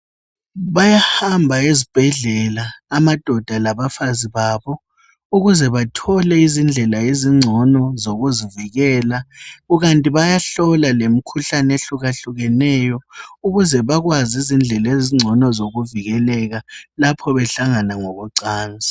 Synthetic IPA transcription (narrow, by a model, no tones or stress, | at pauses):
βajahambʱaezib̥ʱɛɮɛlaːmad̥ʱɔd̥ʱalaβafaziβaːβɔ | uɣuzɛβatʰɔlɛizind͡ɮʱɛlaiziŋ͡ǀʱɔnɔzoɣuziviɣɛːlaɣuɣantʼiβajaɬɔlalem̩kʰuɬaneɬuɣaɬuɣɛnɛjɔuɣuzɛβaɣwazizind͡ɮʱɛleziŋ͡ǀʱɔnɔzoɣuviɣɛlɛɣalapʰɔβɛɬaŋanaŋoɣuǀaːnd͡zʱa